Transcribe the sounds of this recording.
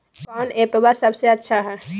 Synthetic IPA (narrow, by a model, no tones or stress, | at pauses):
kanepebasəbʱseətːʃʰaɦɛ